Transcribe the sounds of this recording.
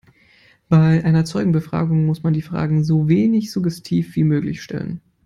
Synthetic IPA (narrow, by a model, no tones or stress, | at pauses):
b̥aɪʔaɪnɐt͡sɔʏɡŋ̩bəfʁ̥a̰ːɡʊŋmʊsmandiːfʁ̥a̰ːɡŋ̩zoːveːnɪçz̥ʊɡɛstʰiːfv̥iːmøːklɪ̰çʃtɛ̰lə̰n